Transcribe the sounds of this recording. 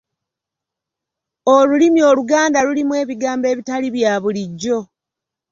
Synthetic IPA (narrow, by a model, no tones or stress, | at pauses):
olulimio̞ːluɡaːndaɾulimwe̞ːβiɡaːmbe̞ːβitaliβjaːβuliɟːo̞